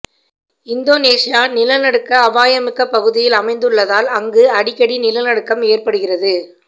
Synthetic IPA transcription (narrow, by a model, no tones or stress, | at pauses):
ɪnd̪oːneːsɪjaːnɪlɐnɐɽɯkːɐːʋaːjɐmɪkːɐpːɐɣɯðɪjɪlɐmɐɪnd̪ɯɭːɐðaːlɐŋɡɯɐɽɪkːɐɽinɪlɐnɐɽɯkːɐmeːrpɐɽɯɣɪrɐðɯ